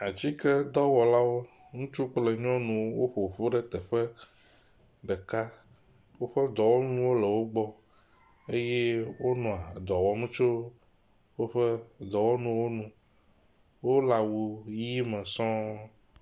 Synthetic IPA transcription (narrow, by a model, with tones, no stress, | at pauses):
a˨d͡ʑi˦kɛ˦d̪ɔ˦wɔ˨la˦wo˦ | ŋũ˦t͡ʃu˦k͡ple˨ɲɔ̃˦nũ˨wwo˦ɸo˨ɸo˦ɖɛ˦t̪ɛ˨ɸɛ˦ | ɖɛ˨ka˦ | wo˦ɸɛ˦d̪ɔ˨wo˦ñũ˦wo˦le˨wo˦ɡ͡bɔ˦ | e˦je˦wo˦nɔ̃˨a˨d̪ɔ˨wɔ˨mũ˦t͡ʃo˦ | wo˦ɸɛ˦d̪ɔ˨wo˦nũ˨wo˦nũ˦ | wo˦la˨wu˨ji˦mə̃˨sɔ̃˦